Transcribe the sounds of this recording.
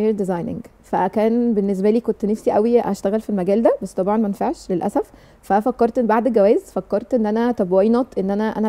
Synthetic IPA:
ɾd̪ezɑjnḛŋɡ | fækæːnbenːes̬bæliːkont̪næfsiʔæwiæ̰ʃt̪æɣælfilmæɡæːld̪æbæsːt̪ˤɑbʕɑnmæenfaʕʃlelʔæ̰sæf | fæfækːɑɾˤt̪ʔebaʕd̪eɡæwæːzfækːɑɾˤt̪ʔenːʔænæt̪æbwæjnɑt̪ʔenːʔænæʔæ̰næ

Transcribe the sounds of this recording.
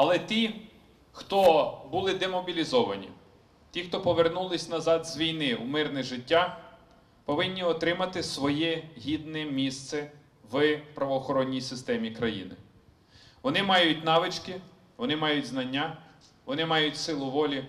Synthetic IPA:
ɐlˠɛt̪ʲi | xt̪ɔbʊlˠɪd̪ɛmɔbʲilʲizɔʋɐnʲḭ | tʲixt̪ɔpɔʋernulˠɪsʲnɐzɑd̪zʋʲijnɪw̰mɪrnɛʒɪtʲːa | pɔʋɪnʲːiɔt̪ɾɪmɐt̪ɪsʋɔjɛɦʲid̪nɛmʲist̪sɛ | ʋpɾɐʋɔːxɔɾɔnʲːijsɪst̪ɛmʲikɾɐjḭnɪ̰ | ʋɔnɪmɑjʊtʲnɑʋɪt͡ʃkɪ | ʋɔnɪmɑjʊtʲznɐnʲːa | ʋɔnɪmɑjʊtʲsɪlˠʊʋɔlʲi

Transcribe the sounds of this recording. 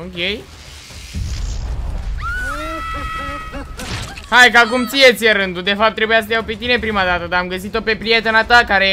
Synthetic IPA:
okʲej | hajkakumt̪sijet̪sʲjeɾɨnd̪ud̪e̞fap̚t̪ːɾebujas̬ət̪ejawpe̞t̪ine̞pɾimad̪at̪əd̪aːmɡəsit̪o̞pe̞pɾije̞t̪enat̪akaɾe

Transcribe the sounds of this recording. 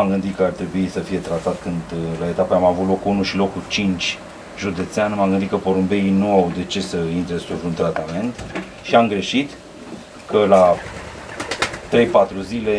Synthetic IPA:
amɡɨnd̪it̪kəart̪ɾe̞buisəfije̞t̪ɾat̪at̪kɨnd̪lae̞t̪apeamavut̪lo̞kunuʃilo̞kːut͡ʃint͡ʃʲ | ʒud̪e̞t̪seanemamɡɨnd̪it̪kəpo̞ɾumbe̞inuawd̪e̞t͡ʃe̞səint̪ɾesuvunt̪ɾat̪ame̞nt̪ | ʃiamɡɾe̞ʃit̪ | kəla | t̪ɾe̞jpat̪ɾuzile̞

